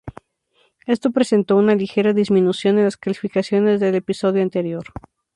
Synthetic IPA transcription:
e̞st̪o̞pɾese̞nt̪o̞unalixe̞ɾaðizmĩnusjo̞nenlasklalifikasjo̞ne̞zðe̞le̞piso̞ðjoant̪e̞ɾjo̞ɾ

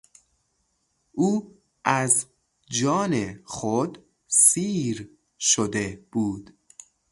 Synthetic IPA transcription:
ʔuː | ʔæz | d͡ʒɒːnexod̪ | siːɾ | ʃod̪e̞b̥uːd̪̥

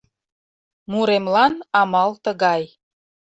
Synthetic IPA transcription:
muɾemlɑnɑmɑlt̪əɣɑj

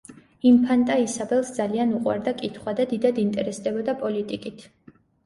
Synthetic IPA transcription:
impʰant̪ʼaisabɛlˠsd̪zalianuqʼwa̰ɾd̪akʼit̪ʰχwad̪ad̪id̪ad̪int̪ʼɛɾɛsd̪ɛbɔd̪apʼɔlit̪ʼikʼit̪ʰ

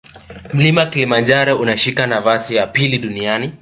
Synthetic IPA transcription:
m̩limakilimand͡ʒaɾɔʔunaʃikanavasijapiliɗuniani

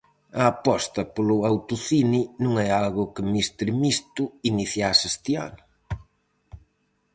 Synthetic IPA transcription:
ɐːpɔst̪ɐpolʊawt̪ʊθinɪnũŋɛalɣʊkɪmist̪ɾɪmist̪ʊiniθjasest̪ɪa̰nʊ

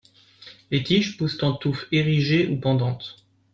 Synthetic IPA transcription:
let̪iʃpust̪ɑ̃t̪ufeʁiʒeʔupɑ̃d̪ɑ̃t̪

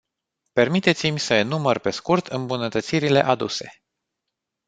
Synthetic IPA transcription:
pe̞rmit̪e̞t̪simʲsəenumərpe̞skurt̪ʰɨmbunət̪ət̪siɾile̞̰ʔad̪ṵse̞

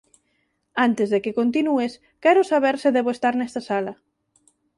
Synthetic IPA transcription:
ant̪ezðekekont̪̬inues | kɛɾʊsaβ̞ɛɾsɪðɛβoest̪aɾnɛst̪ɐsalɐ

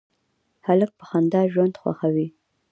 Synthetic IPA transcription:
halək̚pə̥xand̪ɑʒwand̪xwa̰xawi

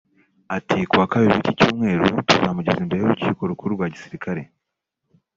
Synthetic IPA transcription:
atikuwaːkaβiɾiicicuːmŋe̞ːɾutuzaːmuɟezimbe̞ɾejowuciːko̞ɾukuɾuɾɡwaːɟisiɾikaɾe̞̰

